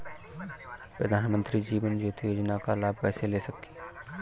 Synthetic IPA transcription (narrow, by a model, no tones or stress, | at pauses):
pɾəd̪ʱaːnmə̃nt̪ɾid͡ʒiːʋənd͡ʒot̪ʰijoːd͡ʒnakalaːb̚ʱpɛːselesəki